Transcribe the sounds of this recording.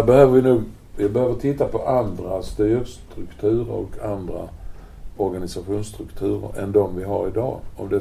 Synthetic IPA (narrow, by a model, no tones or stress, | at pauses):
æbɛhøːvəvɪnuːɡ | jbɛhøːvəʈ̪ʰɪt̪ːapʰɔʔand̪ɾast̪yːɾst̪ɾɵkt̪ʰʉ̟ːɾə̰ɾɔ̰kʰand̪ɾa̰ | ɔɾɡanɪsaɧuːnst̪ɾɵkt̪ʰʉ̟ːɾə̰ɾʔɛ̰nd̪ɔmvɪɦaɾɪd̪ɑ̰ːɔmd̪ɛ